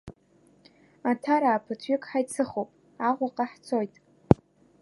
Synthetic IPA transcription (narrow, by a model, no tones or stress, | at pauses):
atʰaɾaːpʰɨtʰɥɪkʼħajt͡sʰɨχowpʼ | aʁʷaqʼaħt͡sʰo̞jtʼ